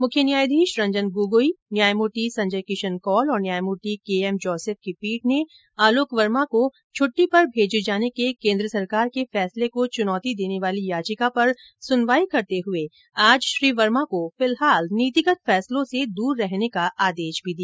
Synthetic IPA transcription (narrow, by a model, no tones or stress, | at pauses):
mʊkʰjənjaːjd̪ʱiːʃɾɐ̃ɲd͡ʒənɡuːɡoːinjaːjmoːʈisɐ̃ɲd͡ʒəjkɪʃənkɔːlɔːɾnjaːjmoːʈikeːɛmd͡ʒɔːseːf̚kepiːʈ̚ʰne | aːloːkʋɐɾmako | t͡ʃʰʊʈːipɐɾbʱeːd͡ʒd͡ʒaːnekekẽːnd̪ɾəsɐɾkaːɾkefɛːslekot͡ʃʊnɔːt̪id̪eːneʋaːlijaːd͡ʒɪkapɐɾ | sʊnʋaːikɐɾt̪eɦʊe | aːd͡ʒʃɾiːʋəɾmakofɪlɦaːlniːt̪ɪkət̪fɛːslõsed̪uːɾːɛɦnekaʔaːd̪eːʃbʱid̪ijaː